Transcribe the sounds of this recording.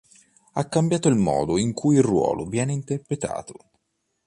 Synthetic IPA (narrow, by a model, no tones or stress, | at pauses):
a̰kːambjaːt̪oilmɔ̰ːd̪oiŋkʰujirwɔ̰ːlovjɛːneint̪erpɾet̪a̰ːt̪o